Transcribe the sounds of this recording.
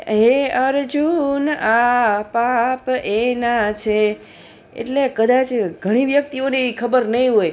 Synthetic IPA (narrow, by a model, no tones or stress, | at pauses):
ɦeəɾd͡ʒunapapenat͡ʃʰe | ḛʈlekəd̪at͡ʃɡʱəɽ̃iʋjək̚t̪ionekʰəbəɾnəɦĩɦoj